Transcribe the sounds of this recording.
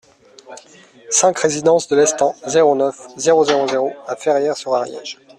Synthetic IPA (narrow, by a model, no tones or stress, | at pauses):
sɛ̃kχezid̪ɑ̃sd̪əlɛst̪ɑ̃zeʁonœfzeʁozeʁozeʁoafɛʁjɛʁsyʁaʁjɛ̰ʒ